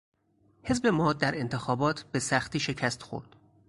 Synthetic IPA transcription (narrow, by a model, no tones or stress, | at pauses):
hezbe̞mɒːd̪̚d̪æɾe̞nt̪ʰe̞xɒːbɒːt̪ʰb̥e̞sæxt̪iːʃe̞cʰæst̪xo̰ɾd̪̥